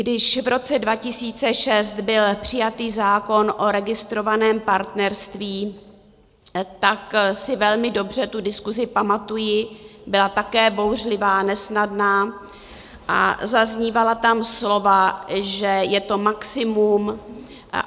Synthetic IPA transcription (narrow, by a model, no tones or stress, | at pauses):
ɡdɪʃvɾo̞t͡sɛdvacɪsiːt͡sɛʃɛst̪bɪlpr̝̥ɪjat̪iːzaːko̞nʔo̞ɾɛɡɪst̪ɾo̞vanɛːmpaɾt̪nɛɾst̪viː | t̪aksɪvɛlmɪdo̞br̝ɛt̪udɪskuzɪpamat̪ujɪbɪlat̪akɛːbo̞wr̝lɪvaːnɛsnadnaː | ʔa̰zazɲiːvalat̪amslo̞vaʒɛjɛt̪o̞maksɪmum